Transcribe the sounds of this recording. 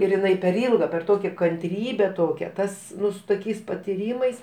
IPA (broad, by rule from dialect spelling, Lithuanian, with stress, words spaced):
ɪr ɪˈnɐɪ pʲɛr ˈiːlˠɡɐ pʲɛr ˈtoːkʲɛ kɐnʲˈtʲrʲiːbʲɛ ˈtoːkʲæː ˈtɐs ˈnʊ sʊ toːˈkʲɛɪs pɐtʲɪˈrʲiːmɐɪs